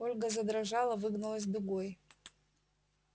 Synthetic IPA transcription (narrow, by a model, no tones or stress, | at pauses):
olʲɡazɐd̪ɾaʐalˠɐvɨɡnalˠɐs̬ʲd̪ɨɡʷoj